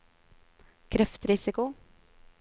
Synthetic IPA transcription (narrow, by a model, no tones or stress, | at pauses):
kʰɾɛft̪ɾɪsɪkʊ